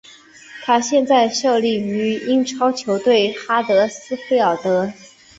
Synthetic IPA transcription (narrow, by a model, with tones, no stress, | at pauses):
t̪ʰa˥ɕjɛ˥˧nt͡sa˥˧ɪʂɤ˥˧li˥˩y˧˥i˥nʈ͡ʂʰɑ˥ʊt͡ɕʰjo˧˥ʊt̪we˥˩ɪxa˥t̪ɤ˧˥sɹ̩˥fe˥ɪɑ˨˩t̪ɤ˧˥